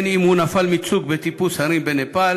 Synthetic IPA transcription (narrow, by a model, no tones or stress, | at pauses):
nimhunafalmit͡sukbet̪ipushaɾimbenepal